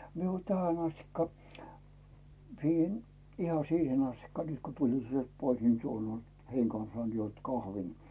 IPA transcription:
mie o tæhæn ɑstikːɑ siːhen ihɑ siːhen ɑstikːɑ nyt ko tulin sielt pois ni tuol olʲ heiŋ kɑnsɑːn juont kɑhʋin

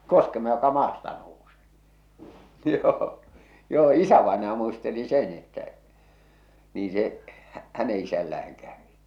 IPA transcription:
koskemɑ jokɑ mɑːstɑ nouse̥ː joː joː isæʋɑenɑjɑ muisteli sen etːæ niːn̞ se hæ̥ hæne isælːææŋ kæʋi

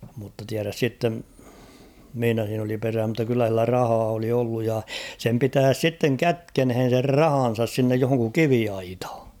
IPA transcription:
mutːɑ tiæræs sitːen mĭhinæ siːn oli peræː mutːɑ kylːæ silːæ rɑhɑː oli olːuj jɑ sem pitæːs sitːeŋ kætkenhen̞ ser rɑhɑn̞sɑs sinːej johoŋku kiʋiɑithɑ̥

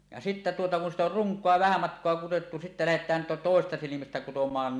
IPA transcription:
jɑ sitːæ tuotɑ kun sit or ruŋkˑoɑ ʋæhæ mɑtkˑoɑ kuwotːu sitːæ læhetˑæːn to toˑesestɑ silimæstæ kutomˑɑːn

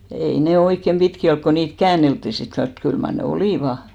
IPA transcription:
ei ne oikːem b̥itki olk ko niːt kæːnˑeltːi sit kɑns mut kyl mɑr ne oliˑʋɑ

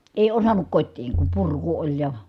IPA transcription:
eˑi osɑnːuk kotʲtiːŋ kum purku olʲ jɑ

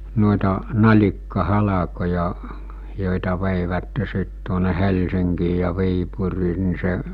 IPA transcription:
noˑitɑ nɑlʲikːɑhɑlɑkojɑ joˑitɑ ʋeiˑʋætːe sit tuone helsiŋkiː jɑ ʋiːpuriː ni se

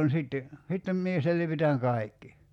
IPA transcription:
ni siˑtːe sitːem mie selʋitæŋ kɑi̞kːi

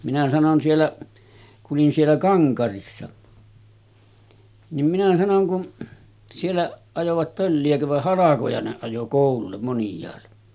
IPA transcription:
minæ sɑnon sielːæ kuʔ ʔolin sielːæ kɑŋkɑrisːɑ nim minæ sɑnoŋ kun sielːæʔ ɑjoʋɑt pølːiækø ʋɑh hɑlɑkojɑ ne ɑjo koˑululːem monjˑɑːlːe

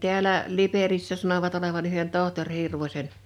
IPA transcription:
ti̞ælæ liperisːæ sɑnoʋɑt oleʋɑn yhen tohtorʲ hirʋosʲen

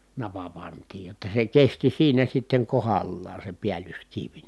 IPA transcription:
nɑpɑ pɑntiːj jotːɑ se kesti siːnæ sitːeŋ kohɑlːɑːn̞ se piælyskiʋ

